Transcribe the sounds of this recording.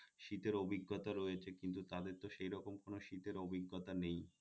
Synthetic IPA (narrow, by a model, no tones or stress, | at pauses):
ʃit̪eɾobʱiɡːot̪aɾɔjet͡ɕʰekint̪̬ut̪ad̪eɾt̪oʃejɾɔkomkonoʃit̪eɾobʱiɡːot̪anej